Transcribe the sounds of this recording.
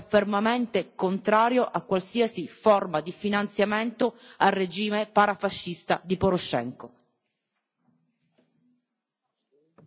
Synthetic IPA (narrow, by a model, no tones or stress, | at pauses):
fermament̪ekont̪ɾaːɾjoʔakːwalsiːasiformad̪ifinant̪sjament̪oarːed͡ʒiːmepaɾafaʃːist̪ad̪ipoɾoʃɛ̰ŋko